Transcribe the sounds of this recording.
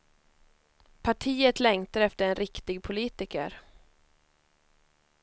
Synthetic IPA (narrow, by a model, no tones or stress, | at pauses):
pʰaʈʰiːət̪lɛŋt̪aɾɛft̪əɾɛnɾɪkt̪ɪɡ̚pʰʊliːt̪ɪkə̰ɾ